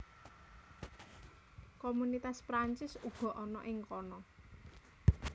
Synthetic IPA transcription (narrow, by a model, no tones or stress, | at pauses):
komunit̪aspɾaɲt͡ʃɪsuɡ̥ɔ̤ʔɔnɔʔɪŋkɔnɔ